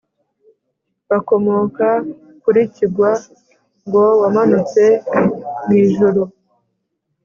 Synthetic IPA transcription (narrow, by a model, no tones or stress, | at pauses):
βako̞mo̞ːka | kuɾiciɡwa | ŋɡo̞wamanut͡se̞ | mŋiːʒuɾo